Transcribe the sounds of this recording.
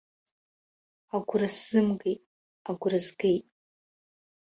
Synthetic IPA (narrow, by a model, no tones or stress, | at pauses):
aɡʷʊrasz̥ɨmɡejtʼ | aɡʷrɨzɡejtʼ